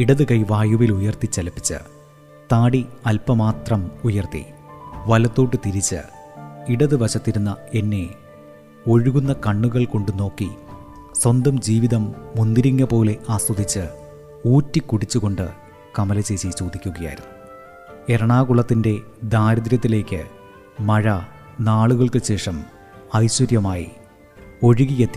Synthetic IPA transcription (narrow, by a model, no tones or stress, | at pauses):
iɽɐðɨkɐjʋaːjuʋilujɐrt̪it͡ɕːɐlɐpːi̥t͡ɕːɨ̰ | t̪aːɽiɐlpɐmaːt̪rɐmujɐrt̪ḭʋɐlɐt̪ːoːʈːɨt̪iɾit͡ɕːɨ̰ | iɽɐðɨʋɐɕɐt̪ːiɾunːɐe̞nːe̞ | o̞ɻuɣunːɐkɐɳːuɣɐɭko̞ɳɖɨno̞ːkːi | swɐnd̪ɐmd͡ʑiːʋiðɐmːund̪iɾiŋːɐpo̞ːle̞ʔaːst̪ɐd̪it͡ɕːɨ | uːtːikːuɽit͡ɕːuɣo̞ɳɖɨ | kɐmɐlɐt͡ɕe̞ːt͡ɕit͡ɕoːd̪ʱikʲːuɣɐja̰ːj̰ɾunːu | e̞ɾɐɳaːɣuɭɐt̪ːinde̞ | d̪aːɾɐðɾɐt̪ːile̞ːkʲːɨ̰ | mɐɻɐ | naːɭuɣɐɭkɨɕe̞ːʂɐm | ɐjɕwɐɾjɐmaːjḭ | o̞ɻuɣijet̪ːi